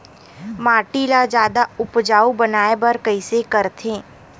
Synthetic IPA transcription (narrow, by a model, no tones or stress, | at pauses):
maːʈilad͡ʒjaːd̪aʊpd͡ʒaːubənaːebəɾkəɪsekəɾt̪ʰẽː